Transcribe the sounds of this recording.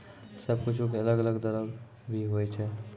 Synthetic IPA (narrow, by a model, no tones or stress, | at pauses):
səbkʊt͡ʃʰukeələɡələɡd̪əɾəb | bʱiɦojt͡ʃʰɛ